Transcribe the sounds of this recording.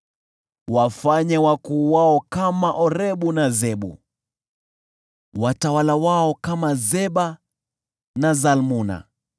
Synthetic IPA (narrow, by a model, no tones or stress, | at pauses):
wafaɲɛwakuːwaɔkamaʔɔɾɛɓunazɛɓṵ | watawalawaɔkamazɛɓa | nazalmuna̰